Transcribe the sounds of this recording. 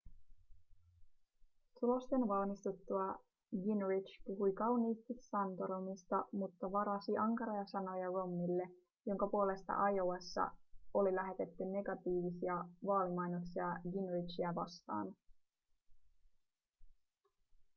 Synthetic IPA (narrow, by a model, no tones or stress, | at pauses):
t̪ulo̞st̪e̞nʋɑlmist̪ut̪ːuɑ | ɡinrit͡ʃpuɦujkɑwniːst̪isːɑnt̪oɾomist̪ɑmut̪ːɑʋɑɾɑsiʔɑŋkɑɾo̞jɑsɑno̞jɑro̞mːilːe̞ | jo̞ŋkɑpuo̞le̞st̪ɑ̰ʔɑjowɑsːɑ̰o̞lilæɦe̞t̪e̞t̪ːynːe̞ɡɑt̪iːʋisiɑʋɑːlimɑjnoksiɑɡinrit͡ʃiæʋɑ̰st̪ɑ̰ːn